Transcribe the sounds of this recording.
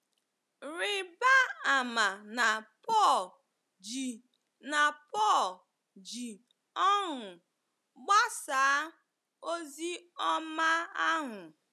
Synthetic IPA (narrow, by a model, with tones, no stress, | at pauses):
ɾɪ˨ba˦a˨ma˨na˨pɔ˦˨l | d͡ʒi˨ | na˨pɔ˦˨l | d͡ʒi˨ | ɔ˦ɦʊ˨ | ɡ͡ba˦sa˨˦ | o˦zi˦ɔ˦ma˦a˦ɦʊ˨